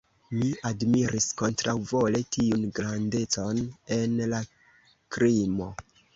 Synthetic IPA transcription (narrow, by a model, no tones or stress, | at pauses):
miadmiɾʔisko̞ntɾawvo̞le̞tiunɡɾande̞t͡so̞ne̞nla | kɾimo̞̰